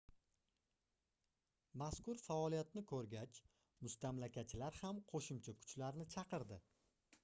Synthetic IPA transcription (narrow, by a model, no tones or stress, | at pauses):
maskʊɾfaɒlijat̪nɪkʰɵɾɡʲat͡ʃ | mʊst̪amlakʲat͡ʃʰɪlaɾhamqʰoʃʊmt͡ʃʰakʰʊ̥t͡ʃlaɾnɪt͡ʃʰɑqɨɾd̪ɪ